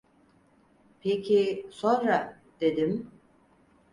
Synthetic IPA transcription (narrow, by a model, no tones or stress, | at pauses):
pʰecʰisonɾa | d̪̥e̞d̪im